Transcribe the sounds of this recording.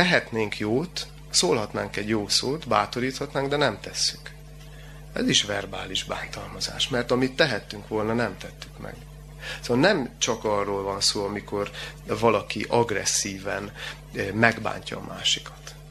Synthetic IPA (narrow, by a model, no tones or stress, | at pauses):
ɛɦɛt̪neːŋkjoːt̪ | soːlɦɒt̪naːŋkɛɟjoːsoːt̪baːt̪o̞ɾiːt̪hɒt̪naːŋɡd̪ɛnɛmt̪ɛsːy̥k | ɛ̰ziʃʋɛrbaːliʒba̰ːnt̪ɒlmɒza̰ːʃmɛrt̪ɒmit̪ːɛɦɛt̪ːyŋkʋo̞lnɒnɛmt̪ɛt̪ːy̥kmɛ̰ɡ | snnɛmt͡ʃɒkɒrːoːlvɒnsoːɒmiko̞rvɒlɒkiʔɒɡrɛ̰sːiːvɛn | mɛɡba̰ːɲcɒ̰ːmʔa̰ːʃikɒ̥t̪